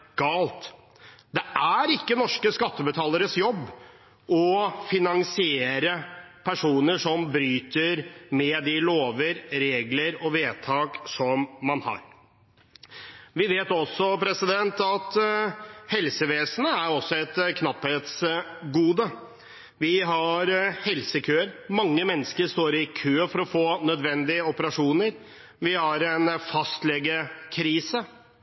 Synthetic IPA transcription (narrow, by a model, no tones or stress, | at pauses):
ɡ̥ɑːlt̪ | d̪ɛʔæɾɪkːənɔʂkəskɑt̪ːəbət̪ʰɑːləɾəsjɔbː | ʔɔfɪnɑŋsɪeːɾəpʰæʂuːnəʂɔmbɾyːt̪əɾmɛd̪ɪloːʋəɾɾeːɡləɾɔʋeːt̪ʰɑːksɔmːɑnhɑ̰ːɾ | ʋɪʋeːt̪ɔsːɔpʰɾɛsɪd̪ɛnt̪ɑt̪ | hɛlsəʋeːsənəæɾɔsːɔɛt̪kʰnɑpheːt̪sɡuːd̪ə | ʋɪɦɑɾhɛlsəkʰøːəɾmɑŋːəmɛnːskəɾʂt̪oːɾɪkʰøːfɔɾɔfoːnœd̪ʋɛnd̪ɪəɔpəɾɑʂuːnəɾ | ʋɪhɑɾɛnfɑst̪lɛɡːəkʰɾiːsə